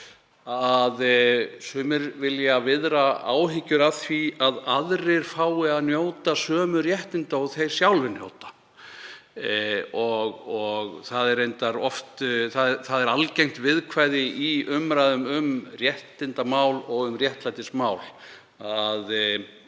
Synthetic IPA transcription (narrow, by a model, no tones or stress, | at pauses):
aðsʏːmɪɾvɪljavɪðɾaa̰ːwɦɪcːʏɾaθviaðaðɾɪɾ̥faːwɪaðnjoːwt̪asœːmʏɾjɛht̪ɪnt̪aɔɣθejɾ̥sjawlvɪɾnjo̰ːwt̪ḁ | ɔɣɔɣθaðɛɾejnt̪aɾɔft̪θaðθaðɛɾalcejm̥t̪vɪðkʰvaːjðɪiʏmɾajðʏmʏmrjɛht̪ɪnt̪amaːwlɔɣʏmrjɛht̪lajt̪ɪsmaːwl | að